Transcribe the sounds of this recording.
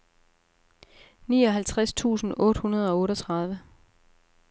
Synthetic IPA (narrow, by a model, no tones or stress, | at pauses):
niːɒ̽ɦælt͡sʰʁast͡sʰṵːsn̩ʔɔ̽ːd̥hunɐð̞ˠɒ̽ɔ̽ːɾɒt͡sʰʁɑ̈ð̞ˠʋə